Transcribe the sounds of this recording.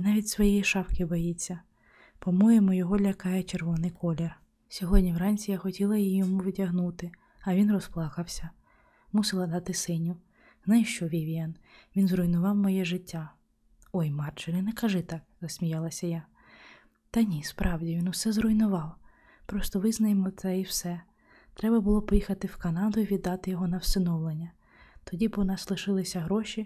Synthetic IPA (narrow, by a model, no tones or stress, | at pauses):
nɑʋʲitʲsʋɔjɛjiʃɑfkɪbɔjit͡sʲːɐ | pɔmujemɔjɔɦɔlʲɐkɑjɛt͡ʃerʋɔnɪjkʰɔlʲer | sʲɔɦɔdʲnʲiwɾɑnʲt͡ssʲijaxɔtʲilˠɐjijɔmuʋɪtʲɐɦnut̪ɪ | ɐʋʲinrɔsplˠɑkɐwsʲɐ | musɪlˠɐd̪ɑt̪ɪsɪnʲʊ | nɑjʃt͡ʃɔʋʲiʋʲiɛnʋʲinzrɔjnʊʋɑwmɔjɛʒɪtʲːa | ɔjmɑrt͡ʃɪɾʲɪnɛkɐʒɛt̪ɑkzɐsʲmʲijɑlˠɐsʲɐja | t̪ɐnʲispɾʔɑwdʲiʋʲinʊsɛzrɔjnʊʋɑw | pɾɔst̪ɔʋɪznɐjemɔt̪sɛiwsɛ | t̪ɾɛbɐbʊlˠɔpɔjixɐt̪ɪwkɐnɑd̪ʊiʋʲid̪ːɑt̪ɪjɔɦɔnɐwsɪnɔwlˠenʲːɐ | t̪ɔdʲibɔnɑslˠɪʃɪlˠɪsʲɐɦɾɔʃʲi